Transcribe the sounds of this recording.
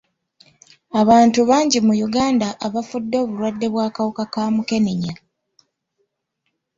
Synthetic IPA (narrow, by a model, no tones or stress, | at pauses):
aβaːntuβaːɲɟimujuɡaːndaʔːβafudːo̞ːβuɾwadːe̞βwaːkawukakaːmuke̞neɲa